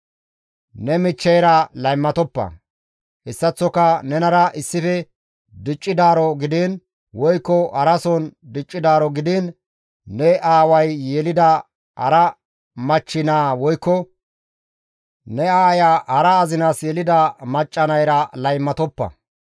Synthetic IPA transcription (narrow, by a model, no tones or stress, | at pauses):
nɛmɪt͡ʃːɛjɾɐlɐjmːɐt̪ɔpːɐ̰ | ʔɪsːɐt͡sːɔkɐnɛnɐɾɐʔɪsːɪfɛ | d̪ɪt͡ʃʼːɪd̪aːɾɔɡɪd̪ɪn | wɔjkːɔʔɐɾɐsɔnd̪ɪt͡ʃʼːɪd̪aːɾɔɡɪd̪ɪnː | ɛaːwɐjːɛlɪd̪ɐ | ɐ̰ɾɐ | mɐt͡ʃːɪnaːwɔjkːɔ | nɛaːjaːhɐɾɐːzɪnaːsjɛlɪd̪ɐmɐt͡ʃʼːɐnɐjɾɐlɐjmːɐt̪ɔpːɐ̰